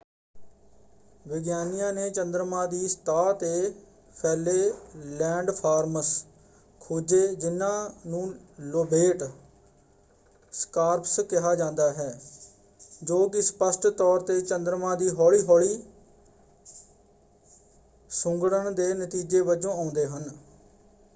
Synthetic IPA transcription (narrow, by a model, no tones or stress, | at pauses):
ʋɪɡjaːnijãːneːt͡ʃənd̪ɾmãːd̪iːst̪aːt̪eː | pʰɛːleːlɛ̃ːɳɖpʰaːɾməs | kʰuːd͡ʒeːd͡ʒɪnːãːnũːloːbeːʈ | skaːɾpskɪɦaːd͡ʒãːnd̪aːɦɛː | d͡ʒoːk̬ɪspəsʈt̪ɔːɾt̪eːt͡ʃənd̪ɾəmãːd̪iːɦɔːɭiːɦɔːɭiː | sʊ̃ŋɡɽəɳd̪eːnət̪iːd͡ʒeːbəd͡ʒõːãːʊnd̪eːɦən